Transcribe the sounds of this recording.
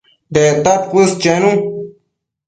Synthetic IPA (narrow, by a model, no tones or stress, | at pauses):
d̪et̪ɐt̪̚kust͡ɕenũ